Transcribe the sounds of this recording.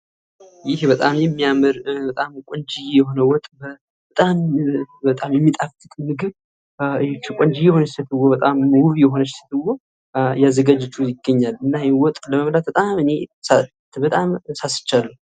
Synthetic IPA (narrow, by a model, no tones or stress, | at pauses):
jɪhbət̪ʼamjɛmːijamɨɾbət̪ʼamkʷʼɔnd͡ʒijjɛho̞nəwɔt̪ʼbə | bət̪ʼambət̪ʼamjɛmːit̪ʼaft̪ʰʼɨk̪ʼmɨɡɨβ | t͡ʃːkʷʼɔnd͡ʒijjɛho̞nət͡ʃsət̪ʰɨwobət̪ʼamwuβjɛɦo̞nət͡ʃːsə̥t̪ʰɨwo | jazəɡad͡ʒət͡ʃːujɪɡːəɲːalɨnːajɛwɔt̪ʼləməmlat̪̚bət̪ʼamɨne̞sa | t̪bət̪ʼamsasɨ̥t͡ʃːalːu